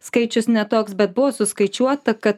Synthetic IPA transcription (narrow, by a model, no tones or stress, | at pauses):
skɐɪt͡ʃʲʊsnʲɛt̪oːksbʲɛt̪̚bʊʋosʊskɐɪt͡ʃʲuɔt̪ɐkɐt̪